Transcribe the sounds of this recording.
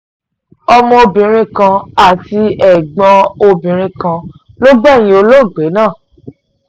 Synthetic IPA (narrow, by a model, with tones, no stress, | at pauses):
ɔ˧mɔ̃˧o˧bĩ˨ɾ̃ĩ˧kã˧a˨ti˧ɛ˨ɡ͡bɔ̃˧o˧bĩ˨ɾ̃ĩ˧kã˧ | lo˦ɡ͡bɛ˦˨j̃ĩ˦o˧lo˦˨ɡ͡be˨˦nãː˦˨